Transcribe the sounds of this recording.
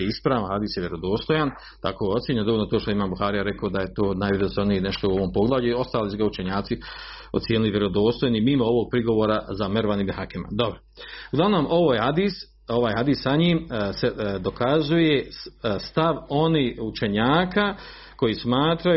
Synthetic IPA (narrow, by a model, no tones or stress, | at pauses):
eispɾaːʋahad̪iːsjeʋje̞ɾo̞d̪o̞ːst̪o̞jan | t̪a̰ko̞ːot̪sjeɲndo̞olnot̪oːʃt̪oimaːmbuxaːɾijaɾe̞koːd̪aje̞t̪o̞ːnaːjʋiɾozoɾnijeneʃt̪o̞uo̞ʋo̞ːmpo̞ɡlˠaːvʎuio̞st̪aːlisuɡaut͡ʃeɲaːt̪si | ot̪sjeːniliʋjeɾod̪o̞ːst̪o̞janimiːmooʋo̞ɡ̚pɾiɡo̞ʋoːɾazameɾʋanimehakema̰d̪o̞bɾouɡlaʋnoːmoʋoːjhad̪is | oʋaːjhad̪iːssaɲiːmsed̪okazujest̪aʋo̞niːut͡ʃe̞ɲaːka | ko̞jismaːt̪ɾa